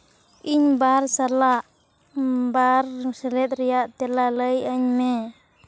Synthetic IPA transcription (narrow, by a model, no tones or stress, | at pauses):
ʔiɲbarsalaʔ | barsəlɛt̪̚ɾijaʔt̪ɛlaləjaɲmɛ